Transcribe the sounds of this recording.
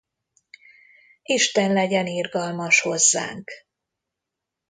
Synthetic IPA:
iʃt̪ɛnlɛɟɛniːrɡɒlmɒʃho̞zːa̰ːŋk

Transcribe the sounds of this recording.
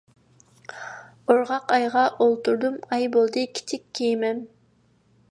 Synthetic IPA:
oɾʁɑqɑjʁɑʔolˠt̪uɾd̪umɑjbolˠd̪ɯki̥t̪ʰikːimem

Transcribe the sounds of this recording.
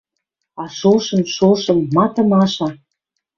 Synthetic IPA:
ɑʃolʃɤ̆mʃolʃɤ̆mːɑt̪ɤ̆mɑʃɑ

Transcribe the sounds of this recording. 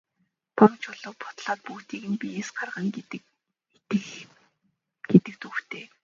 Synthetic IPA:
pʰɔŋt͡ɕʊɮʊ̆ːw̚pʰʊ̥t̪ɮaːt̪̚puːt̪iːɣɘ̆npʲiesɢarʁə̆ŋ | t̪ɘ̆x | ɡ̥et̪ɘ̆k̚t̪uxt̪ʰeː

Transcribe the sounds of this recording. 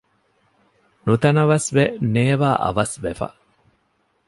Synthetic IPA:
nut̪ɐnɐʋɐsʋeneːʋaːʔɐ̰ʋɐsʋefɐ̰

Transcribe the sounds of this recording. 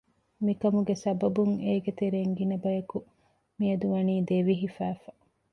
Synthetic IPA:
mikɐmuɡesɐbɐbuŋeːɡet̪eɾeːŋɡinɐbɐjɐku | miɐd̪uʋɐniːd̪eʋiɦifæːfɐ̥

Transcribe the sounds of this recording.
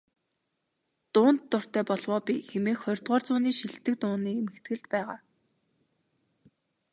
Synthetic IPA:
t̪ʊːnt̪ːʊr̥t̪æːpɔɮwɔːpʲixemeːxχœrʲt̪ʁɔːrt͡sʊːniːʃiɮt̪ɘ̆k̚t̪ʊːniːemɘ̆kt̪ɡɘ̆ɮt̪pæːʁa̰ː

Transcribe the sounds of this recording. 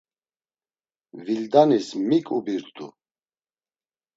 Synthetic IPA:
vild̪anismikʼubiɾt̪ʰʼṵ

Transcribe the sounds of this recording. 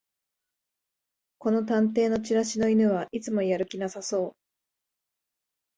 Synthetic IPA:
ko̞no̞t̪̬ãnt̪e̞ːno̞t͡ɕiɾaɕino̞inɯ̟βaʔit͡sɨmo̞jaɾɯ̟kʲinasaso̞ː

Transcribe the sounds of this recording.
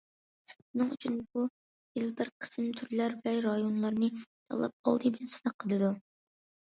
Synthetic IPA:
unɨŋyt͡ʃʰynbu | jilˠbɪɾqʰə̥sɨmt̪ʰyɾlæɾvɛɾɑjonlˠɑɾnɨt̪ʰɑ̰lˠːɑ̰p̚ɑ̰lˠd̪ɨbɪnsɪnɨqʰːəlˠɨd̪u

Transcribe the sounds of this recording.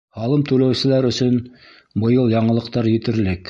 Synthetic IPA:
hɑlˠɤmt̪ɵlæwsɘ̆læɾɵ̆sɵn | bɤ̆jɤlˠjɑɴɤ̆lˠɤ̆q̚t̪ɑɾjɘ̆t̪ɘ̆ɾlɘk

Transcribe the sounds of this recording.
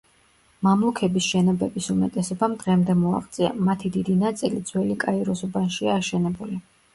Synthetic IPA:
mamlˠukʰɛbisʃɛnɔbɛbisumɛt̪ʼɛsɔbamd̪ʁɛmd̪ɛmɔa̰χt̪sʼia̰mat̪ʰid̪id̪inat̪sʼilid̪zwɛlikʼaiɾɔsubanʃiaːʃɛnɛbuli

